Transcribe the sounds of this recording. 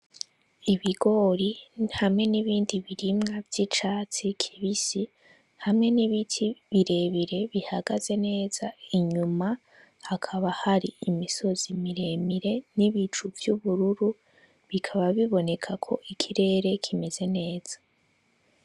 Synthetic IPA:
iβiɡo̞ːɾihamŋe̞niβiːndiβiɾimŋavj̥it͡ʃaːt͡sikʰiβisi | hamŋe̞niβitʰiβiɾe̞βiɾe̞βihaɡaz̥e̞ne̞ːz̥aiɲuma | hakʰaβahaɾiimiso̞z̥imiɾe̞miɾe̞niβit͡ʃuvjuβuɾuɾu | βikʰaβaβiβo̞ne̞kʰakʰo̞ʔikʰiɾe̞ːɾe̞kʰime̞ze̞ne̞ːz̥ḁ

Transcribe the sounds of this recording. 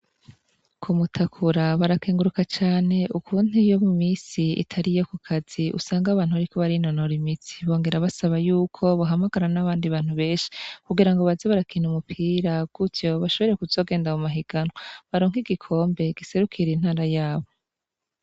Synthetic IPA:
kʰumutʰakʰuɾaβaɾakeːŋɡuɾukat͡ʃaːne̞ukʰuːn̥ijo̞mumiːsiḭtʰaɾijo̞kukʰaz̥iʔṵsaːŋɡaβaːn̥huβaɾikʰo̞βaɾinonoɾimit͡si̥βo̞ːŋɡe̞ɾaβasaβajuːkʰo̞βoɦamaɡaɾanaβaːndiβaːn̥huβe̞ːnʃi̥kuɡiɾaŋɡo̞βazeβaɾakʰinumupʰiːɾab̚ɡ̥utjo̞βaʃo̞β̞ɾekuzo̞ːɡe̞ːndaumaɦiɡ̥anaβaɾoːŋiɡikʰo̞ːmbe̞ɡ̥ise̞ɾukʰiɾin̥haːɾajaːβo̞

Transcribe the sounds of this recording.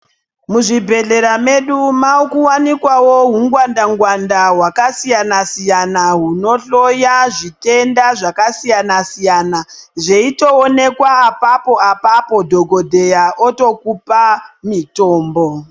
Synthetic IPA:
muʐibʱe̞ɮe̞ɾame̞ɗumaukuwanikwawoɦuŋɡwandaŋɡwandawakasijanasijanaɦuno̞ɬo̞jaʐite̞ndaʐakasijanasijanaʐeitoːne̞kwaːpapo̞apapo̞dʱo̞ɡʱo̞dʱe̞jaoto̞kupamito̞ːmbo̞

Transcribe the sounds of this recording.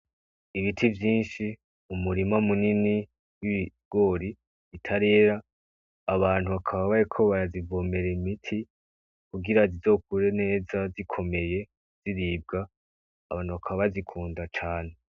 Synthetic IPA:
iβitʰivjiːnʃi | umuɾimamunini | wiβiɡ̥o̞ɾi | βitʰaɾe̞ːɾaː | βaːn̥huβakʰaβaβajekʰo̞βaɾazivoːme̞ɾeimitʰi | kuɡiɾazizo̞k̚uɾe̞ne̞ːzazikʰo̞me̞je̞ | z̥iɾiːb̚ɡaː | βaːn̥huβakʰaβaβazikʰuːndat͡ʃaːne̞

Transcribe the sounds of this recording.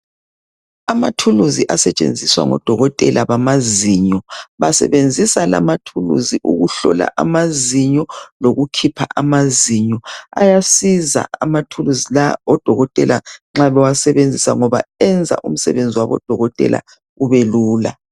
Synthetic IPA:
amatʰuluziʔasɛt͡ʃʼḛnd͡zʱiswa̰ŋɔ̰d̥ʱɔɣɔtʼɛlaβamaziɲɔβasɛ̰βend͡zʱisalamatʰulṵziʔuɣuɬɔ̰la̰ʔamaziɲɔloɣukʰipʰaʔamaziɲɔa̰jasiza̰amatʰuluzilaɔd̥ʱɔɣɔtʼɛlaŋ͡ǁalɔwasɛβend͡zʱisaŋɔβa̰ɛnd͡zʱa̰ʔum̩sɛ̰βend͡zʱiwaβɔ̰d̥ʱɔɣɔtʼɛ̰la̰ | uβeluːla̰

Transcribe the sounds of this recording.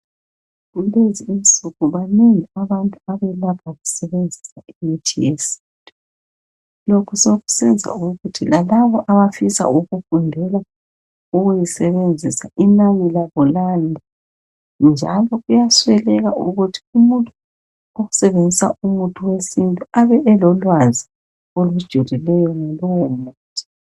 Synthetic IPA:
ɣuleziinsuɣuβaneŋiaβantʼuaβɛlapʰaɣusɛβend͡zʱi̥saimitʰijesi̥ntʼu | lokʰusoɣu̥sind͡zʱa̰uɣutʰilalaβɔʔaβafisa̰uɣufundʱɛla | uɣujisɛβend͡zʱisa̰ʔinanilaβɔlandʱa | nd͡ʒʱa̰lɔɣujaswɛlɛɣauɣutʰi̥umuntʼu | oɣusɛβend͡zʱisa̰umutʰuwesintʼuaβɛʔɛlɔlwazi | olud̥ʒ̥ʱulilɛjɔŋalɔwomuːtʰi̥

